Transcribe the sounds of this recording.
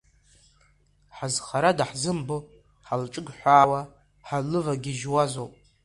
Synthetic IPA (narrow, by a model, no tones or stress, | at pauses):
ħazχaɾadaħzɨmbo | ħalʈ͡ʂʼɨɡħʷaːwa | ħalɨvaɡʲiʒwazowpʼ